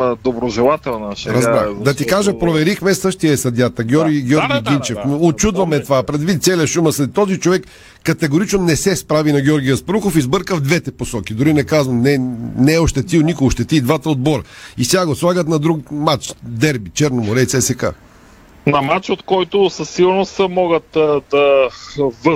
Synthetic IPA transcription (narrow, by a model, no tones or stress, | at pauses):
d̪obɾoʒɛlˠat̪ɛlˠnaʃɾɐzbɾad̪ɐt̪ikaʒəpɾovɛɾixmɛsɤʃt̪iɛsɐd̪ʲjat̪ɐɡʲjɔɾɡiɡʲjɔɾɡiɡʲint͡ʃɛfot͡ʃud̪vɐmɛt̪ovapɾɛd̪vit̪̚t̪sɛlʲiəʃumɐsɐt̪ɔzit͡ʃovɛkː | ɐt̪ɛɡoɾit͡ʃnonɛsɛspɾavinɐɡʲɔɾɡʲijɐspɾuxofizbɤɾkəvd̪vɛt̪ɛposɔkʲid̪oɾinɛkazvɐmnɛnɛɔʃt̪ɛt̪iʊnikooʃt̪ɛt̪iːd̪vat̪ɐod̪̚bɔɾisʲaɡoslˠaɡət̪nɐd̪ɾukmat͡ʃd̪ɛɾbit͡ʃɛɾnomoɾɛit̪sɛsɛka̰ | nɐmat͡ʃot̪kɔjt̪ʊsəsːiɡʊɾnost̪mɔɡət̪d̪ɐ | və